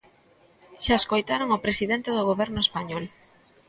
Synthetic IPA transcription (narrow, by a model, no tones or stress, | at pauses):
ʃaeskojt̪aɾoŋopɾesiðent̪eðʊɣ̞oβɛɾnʊespaɲɔl